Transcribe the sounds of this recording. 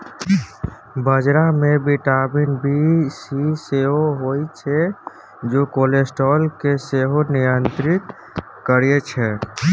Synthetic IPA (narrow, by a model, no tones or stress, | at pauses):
bəd͡ʒɾamebiʈabinbʱisiseɦoɦojt͡ʃʰɛ | d͡ʒokolesʈɔlkeseɦonijənt̪ɾit̪ | kːəɾijet͡ʃʰɛ